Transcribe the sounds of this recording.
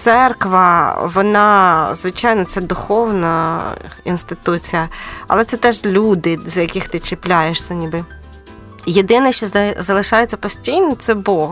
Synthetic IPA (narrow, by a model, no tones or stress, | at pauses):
t̪sɛrkʋɐʋɔnɑzʋɪt͡ʃɑjnɔt̪sɛd̪ʊxɔwnɐ | inst̪ɪt̪ut͡sʲijɐɐ̰lˠɛt̪sɛt̪ɛʒlʲud̪ɪzjɐkɪxt̪ɪt͡ʃɪplʲajeʂsʲɐnʲibɪ | jed̪ɪnɛʃt͡ʃɔzɐlˠɪʃɑjet͡sʲːɐpɔsʲtʲijnɔt̪sɛbɔɦ